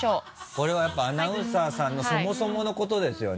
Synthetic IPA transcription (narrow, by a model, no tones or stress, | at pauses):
oː | ko̞ɾe̞β̞ajapːaːnaɯ̟̃saːsãnːo̞somo̞so̞mo̞no̞ko̞t̪o̞d̪e̞sɨjo̞̰n